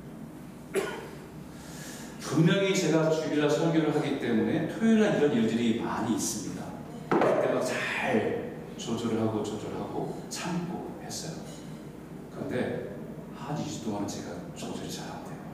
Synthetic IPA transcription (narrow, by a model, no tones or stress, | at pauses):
puŋmjʌŋit͡ɕe̞ɡat͡ɕuiɾasʰʌɡjoɾɯɭɦaɡit͈e̞mune̞tʰojuɾɦaniɾʌniɭdɯɾima̰ɲiːs͈ɯmɲida̰ | et͈eɡat͡ɕaɭ | t͡ɕod͡ʑoɾɯɭɦaɡot͡ɕod͡ʑoɾɯɭɦaɡo | t͡ɕʰambohe̞s͈ʌjo̰ | kɯɾʌnde̞ | hanisʰu̥toŋɦanent͡ɕe̞ɡat͡ɕod͡ʑoɾit͡ɕaɾandʰe̞jo